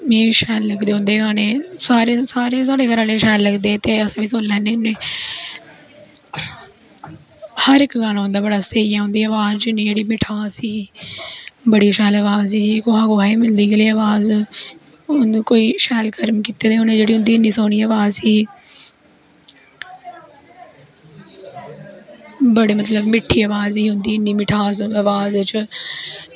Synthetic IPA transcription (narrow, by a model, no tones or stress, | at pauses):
mĩːʃɛːlːəɡd̪eːõːnd̪eːɡaːneːsaːɾeːsaːɾeːsaːɽeːkəɾãːleːʃɛːlːəɡd̪eːt̪eːəsʋiːsʊlːɛ̃ːneːneː | həɾɪkɡaːnaːɦʊ̃nd̪aːbəɽaːseːijãːɦõːnd̪iːaːʋaːzt͡ʃːnĩːd͡ʒeːɽiːmɪʈʰaːsiː | bəɽiːʃɛːləːʋaːzsiːiːkoːaːɡoːaːiːmɪld̪iːɡeːliːaːʋaːz | ʊnkoːiːʃɛːlkəɾmkiːt̪eːd̪eːʊnẽːd͡ʒeːɽiɦʊ̃nd̪iːɪniːsoːɽ̃iːəːʋaːzsiː | bəɽeːmət̪ləbmɪʈʰːiːəːʋaːziːɦʊ̃nd̪iːnːiːmɪʈʰaːzəʋaːzt͡ʃ